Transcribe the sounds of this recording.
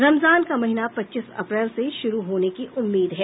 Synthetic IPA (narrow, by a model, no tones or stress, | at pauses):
ɾɐmzaːnkamɐɦɪnapɐtːʃɪsɐ̰pɾɛːlseʃʊɾuɦoːnekiʔʊmːiːd̪ɦɛː